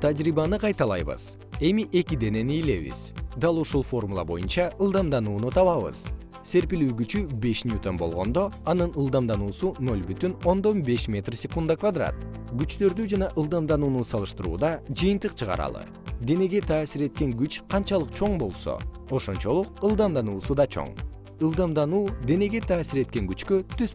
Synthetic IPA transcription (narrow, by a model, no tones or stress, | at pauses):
t̪ʰad͡ʒɾiβɑnɯqʰɑjt̪ɑlˠɑ̰jβɯ̰z̥ | e̞miʔe̞kʲid̪e̞ne̞nijle̞βḭz̥d̪ɑlˠuʃulˠfo̞rmulˠɑ̰bo̞̰junt͡ʃɑɯlˠd̪ɑmd̪ɑnuːnut̪ʰɑβɑβɯ̰z̥ | se̞ɾpilyːɡyt͡ʃybe̞ʃnʲjut̪ombo̞̰lˠʁo̞̰nd̪o̞ɑnɯnɯlˠd̪ɑmd̪ɑnuːsuno̞lʲbyt̪yno̞nd̪o̞nbe̞ʃmʲe̞t̪rsʲe̞kund̪akvad̪ra̰t̪̚ɡyt͡ʃt̪ø̞ɾd̪yd͡ʒɑnɑʔɯlˠd̪ɑmd̪ɑnuːnusɑlˠɯʃt̪ɯɾṵːd̪ɑd͡ʒɯjɯnt̪ɯqt͡ʃʰɨʁɑ̰ɾɑ̰lˠɯ̰ | d̪e̞ne̞ɡe̞t̪ʰaːsiɾe̞t̪̚ke̞ŋɡyt͡ʃqʰɑnt͡ʃɑlˠɯqt͡ʃʰo̞ɴbo̞lˠso̰ | o̞ʃo̞nt͡ʃo̞lˠuqɯlˠd̪ɑmd̪ɑnuːsud̪ɑt͡ʃʰo̞̰ɴ | ɯlˠd̪ɑmd̪ɑnuːd̪e̞ne̞ɡe̞t̪ʰaːsiɾe̞t̪̚ke̞ŋɡyt͡ʃkøt̪ʰys